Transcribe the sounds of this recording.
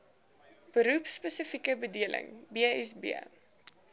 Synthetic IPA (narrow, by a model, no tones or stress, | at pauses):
b̥əɾupspəsəfikəbədiəlʔə̰ŋbiəɛsbḭə̰